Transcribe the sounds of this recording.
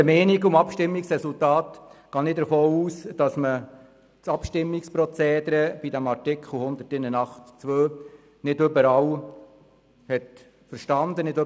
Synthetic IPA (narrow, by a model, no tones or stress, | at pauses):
əmɛːniɡʊmɑpʃtɪmːiksɾɛsultɑːt̪ɡ̥ɑːnɪt̚dəfoːuːsd̥ɑsmə | t͡sɑpʃtɪmːikspɾɔt͡seːd̪ɾəb̥idæmɑɾtɪkʰχl̩hʊnd̪ətɪnənɑχtt͡sʋøː | nɪdʏbəɾɑw | hɛt | fəɾʃtɑnd̪ənɪdø